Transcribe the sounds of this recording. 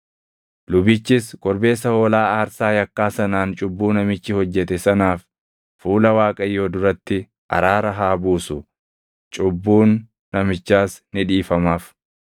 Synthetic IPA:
lʊbɪt͡ʃːɪskʼɔɾbe̞ːsɐhoːlaːaːɾsaːjɐkːaːsɐnaːnt͡ʃʼʊbːuːnɐmɪt͡ʃːɪhɔd͡ʒːɛt̪ɛsɐnaːfː | uːlɐwaːkʼɐjo̞ːd̪ʊɾɐt̪ːɪ | ʔɐ̰ɾaːɾɐɦaːbuːsʊ | t͡ʃʼʊbːuːnː | ɐmɪt͡ʃːaːsnɪᶑiːfɐmaːf

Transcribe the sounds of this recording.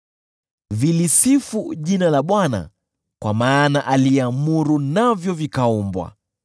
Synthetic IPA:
vilisifuʄinalaɓwana̰ | kwamaːnaʔaliɛamuɾunavjɔvikaumbwa̰

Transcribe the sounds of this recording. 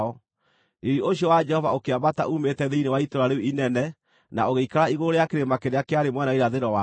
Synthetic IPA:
ɔ | iɾioɕiɔwad͡ʒɛhɔvaokeamata̰ʔumetɛðeinewaitoɾaɾeuinɛnɛ | naoɣeikaɾaiɣoɾeakeɾemakeɾeakeaɾemwɛnaiɾaðeɾɔwa

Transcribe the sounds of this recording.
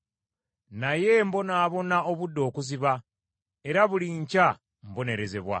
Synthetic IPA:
naje̞mbo̞naːβo̞naoβudːo̞ːkuziβa | e̞ɾaβuliɲca | mbo̞ne̞ɾe̞ze̞βwa̰

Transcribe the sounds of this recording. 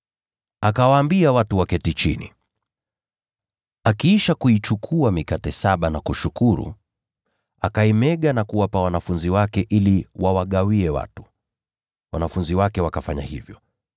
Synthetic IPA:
akawaːmbiawatuwakɛtit͡ʃinḭ | akiiʃakuit͡ʃukʰuamikatɛsaɓanakuʃukuɾṵ | akaimɛɠanakuwapawanafunziwakɛʔiliwawaɠawiɛwa̰tu̥ | wanafunziwakɛwakafaɲa̰hivjɔ

